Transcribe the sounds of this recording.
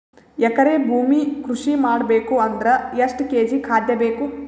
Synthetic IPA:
ɛkɐɾeːbʱuːmikɾuʂimaːɽɐbeːkuɐnd̪ɾɐɐʂʈkeːd͡ʒikʰaːd̪jɐbeːku

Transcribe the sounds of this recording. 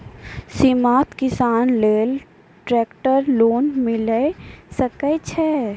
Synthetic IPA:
simaːt̪kɪsaːnleːl | ʈɾɛːkʈəɾloːnmɪləsəkət͡ʃʰɛ

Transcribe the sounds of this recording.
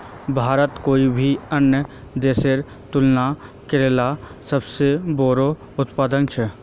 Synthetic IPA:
bʱaːɾət̪koːibʱiənjə | d̪eːseɾ | t̪ʊlna | keɾeːla | səbseboːɾo | ʊt̪paːd̪ənt͡ʃʰɛ

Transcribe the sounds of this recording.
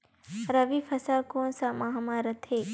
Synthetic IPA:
ɾɐʋifʰɐsaːkoːnsamaɦmaːɾɐt̪ʰeː

